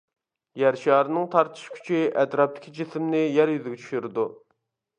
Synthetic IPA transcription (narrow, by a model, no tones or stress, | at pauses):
jæɾʃjɑːɾɨnɨŋt̪ʰɑɾt̪ʰɨ̥ʃkʲʰy̥t͡ʃʰiʔɛt̪ɾɑp̚t̪ɪ̥kʲʰid͡ʒismnɪjæɾjyzɪɡʲɛt͡ʃʰy̥ʃyɾɪd̪u